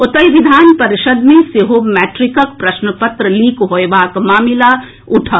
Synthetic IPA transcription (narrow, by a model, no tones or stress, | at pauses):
ʊt̪əjʋɪd̪ʱaːnpɐɾɪʃəd̪mẽseɦoːmɛːʈɾɪkək̚pɾɐʃnəpət̪ɾəliːkɦojeʋaːkmaːmila | ʊʈʰə